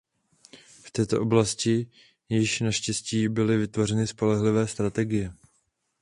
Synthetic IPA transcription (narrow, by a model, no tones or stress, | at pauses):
ft̪ɛːt̪o̞ʔo̞blascɪ | jɪʃnaʃcɛsciːbɪlɪvɪt̪vo̞rɛnɪspo̞lɛɦlɪvɛːst̪ɾat̪ɛɡɪjɛ